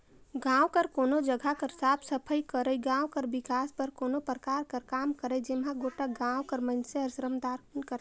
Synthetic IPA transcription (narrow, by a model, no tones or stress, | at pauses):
ɡãːwkəɾkoːnod͡ʒəɡʱakəɾsabsəpʰəjkəɾəjɡãwkəɾbɪkaspəɾkoːnopɾəkaɾkəɾkaːmkəɾəjd͡ʒemɦãɡoʈaɡãwkəɾmənseəɾsɾəmd̪aɾkunkəɾ